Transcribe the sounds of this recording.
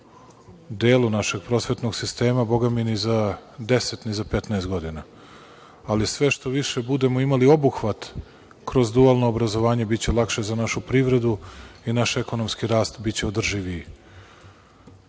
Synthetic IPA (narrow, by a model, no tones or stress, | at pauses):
ud̪eːlˠunaʃe̞ɡpɾo̞ːsʋe̞t̪no̞ɡsist̪e̞ːmabo̞ɡaminizad̪e̞se̞t̪nizapet̪naest̪ɡo̞d̪inaː | lisʋe̞ʃt̪o̞ʋiʃe̞bud̪e̞moimalio̞buxʋat̪ | kɾo̞zd̪ualˠno̞ːbɾazo̞ʋaːɲe̞bitt͡ɕe̞lˠakʃe̞zanaʃupɾiʋɾe̞d̪uinaʃe̞ko̞no̞mskiɾaːst̪bitt͡ɕe̞od̪r̩ʒiʋi